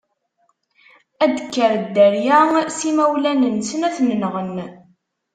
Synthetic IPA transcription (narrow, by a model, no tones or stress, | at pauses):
æd̪əkːəɾəd̪ːæɾjæsimæwlænənsənæθnənʁən